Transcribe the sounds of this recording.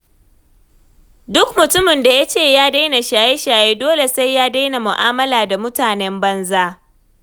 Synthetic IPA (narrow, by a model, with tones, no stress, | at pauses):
dʊ˦kmʊ˨tʊ˦mɪ˨nda˨ja˦t͡ʃeː˦˨jaː˦da˦jna˨ʃaː˨je˦ʃaː˨jeː˦doː˦le˨sa˦jːaː˦da˦jna˨mʊ˨ʔaː˦mɐ˦laː˨da˨mʊ˦taː˨nɛ˦mbɐ˦nzaː˦